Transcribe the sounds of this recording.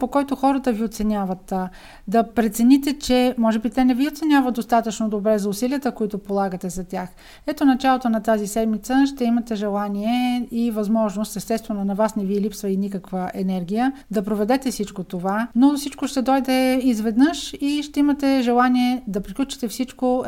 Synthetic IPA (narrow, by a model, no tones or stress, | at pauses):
pokɔjt̪oxɔɾət̪əviot̪sɛnʲjavət̪ | d̪ɐpɾɛt̪sɛnit̪ɛt͡ʃɛmɔʒɛbit̪ɛnɛviot̪sɛnʲavəd̪̚d̪ost̪at̪ət͡ʃnod̪obɾɛzɐʊsiliət̪əkoit̪opolˠaɡət̪ɛzɐt̪ʲjax | ɛt̪onɐt͡ʃalˠot̪onɐt̪azisɛd̪mit̪səʃt̪ɛimɐt̪ɛʒɛlˠaniɛivɐzmɔʒnost̪ɛst̪ɛtst̪vɛnonɐvasnɛviɛlipsvəinikəkvəʔɛnɛɾɡ̟ʲijə | d̪ɐpɾovɛd̪ɛt̪ɛfsit͡ʃkot̪ovanosit͡ʃkoʃt̪ɛd̪ɔjd̪ɛizvɛd̪nɤʃiʃt̪ɛimɐt̪ɛʒɛlˠaniɛd̪ɐpɾiklʲut͡ʃi̥t̪ɛfsit͡ʃko